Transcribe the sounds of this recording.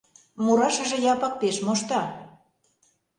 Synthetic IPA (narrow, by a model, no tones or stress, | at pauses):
muɾɑʃə̆ʒĕjɑpək̚peʃmoʃt̪ɑ